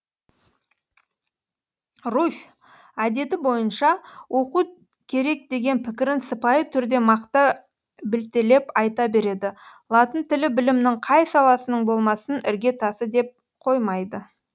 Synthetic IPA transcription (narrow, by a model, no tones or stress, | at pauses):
ruf | æd̪e̞t̪ɪbo̞jənʃɑwʔo̞qu | kʲʰe̞ɾe̞k̚d̪e̞ɡʲe̞npʰɪkʲɪɾɪnsəpɑjət̪ʰʏɾd̪e̞mɑqt̪ə | bɪlt̪ele̞pɑjt̪ɑbe̞ɾe̞d̪ɪlˠɑt̪ənt̪ʰɪlɪbɪlɪmnɪɴqʰɑjsɑlˠɑsənəɴbolˠmɑsənɪɾɡʲe̞t̪ʰɑsəd̪e̞p̚ | qʰo̞jmɑjd̪ə